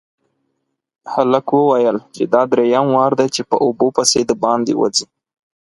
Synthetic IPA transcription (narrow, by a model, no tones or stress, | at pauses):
halakwəwajəlt͡ʃed̪ɑd̪ɾejɑmwɑɾd̪ajt͡ʃepəʔobopased̪əbɑnd̪ḛwa̰zi